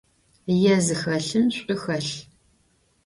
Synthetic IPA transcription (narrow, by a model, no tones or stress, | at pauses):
jɛzɨxɐɬɨmɕʷʼʊxɐɬ